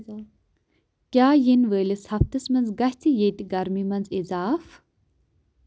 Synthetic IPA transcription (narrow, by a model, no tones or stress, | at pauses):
kʲjaːjinʋəːlishɐft̪ɨsmɐnzɡɐht͡sijeːt̪iɡɐɾmimɐnzizaːf